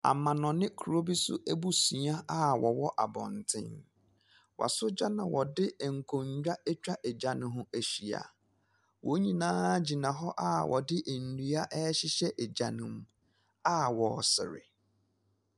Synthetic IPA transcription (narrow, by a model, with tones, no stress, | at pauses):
a̰˨mã˨nɔ̃˨nɪ̃˦kʰu˨ɾo˦bi˦sʊ̰˦ʔe˦bu˦si˨˦a˦a˦wɔ˨wɔ˦ʔa˨bɔ̰̃˨n˨tʰɪ̰̃˦n | wʔa̰˨sʊ˦d͡ʑa˦nã˨wɔ˨dɪ˦˨ŋ̩˨kʰõ˨ɲ˦d͡ʑᶣa˦e˦t͡ɕᶣa˦ʔe˨d͡ʑa˨nʊ̃˨ɦʊ̃˦æ˨ɕi˨a̰˨ | wo˨˦ɲĩ˨nãː˦d͡ʑi˨nã˨ɦɔ˦ʔa˦wʔɔ̰˨dɪ˦ʔe˨n̩˨du˦a˦ʔɛ˦ɕɪ˦ɕɛ˦ʔe˨d͡ʑa˨nʊ̃˦m | a˦wɔ˨sɪ̰˨ɾɪ̰˨